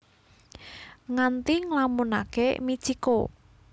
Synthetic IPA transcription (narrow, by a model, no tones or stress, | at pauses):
ŋant̪iŋlamuna̰kemi̥t͡ʃiko